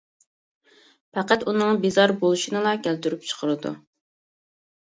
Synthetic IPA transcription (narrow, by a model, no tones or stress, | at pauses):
pʰæqæt̪unɨŋbizɑɾbolˠuʃinɨlˠɑkʲʰælt̪yɾypt͡ʃʰə̥qʰəɾɨd̪ṵ